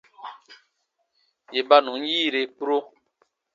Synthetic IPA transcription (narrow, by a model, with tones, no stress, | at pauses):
je˨ba˦nũ˨˦n̩˦jiː˦˨ɾe˨pu˦ɾo˦